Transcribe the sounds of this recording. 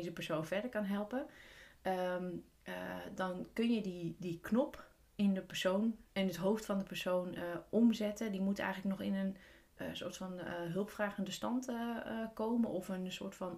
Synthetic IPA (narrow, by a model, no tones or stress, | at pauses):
zəpəɹsownfɛɹdəɹkɑnɦɛlˠpə | əm | dɑnkɵnjədidiknɔp | ɪndəpəɹsownɛnətɦowftfɑndəpəɹsownəʔɔmzɛtədimutɛ̰jxələk̚nɔxɪ̰nən | so̰ːɹtfɑnɦølˠpfraːɣəndəstɑntəkowmənʔɔfənso̰ːtfɑn